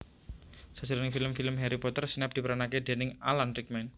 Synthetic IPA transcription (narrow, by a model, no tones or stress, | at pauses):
sə̥d͡ʒəɾnɪŋfiləmfiləmɦeɾipɔt̪ərsnɛp̚d̪̥i̤pəɾanaked̪̥e̤nɪŋalant̪ik̚mɛn